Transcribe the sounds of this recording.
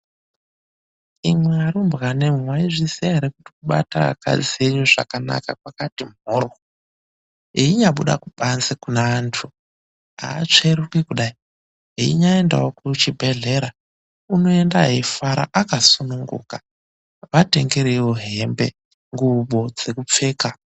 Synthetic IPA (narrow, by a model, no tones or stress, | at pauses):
imweaɾumbɣanemwaiʐisiaeɾekuti̥kuɓa̰ta̰ka̰d͡zieɲuʐa̰kana̰kakwakatim̤oːro | ɦiiɲaɓuɗa̰kuɓanzekunaantʰu | ɦa̰ːt͡ʂeɾukwekuɗai | ɦiḭɲaenda̰okut͡ʃibʱe̞ɮe̞ɾa | uno̞e̞ndaɦifaɾa̰ʔakasunuŋɡṵːka | ʋate̞ŋɡe̞ɾewoɦe̞mbe̞ | ŋɡuɓod͡ze̞kup͡fe̞ːka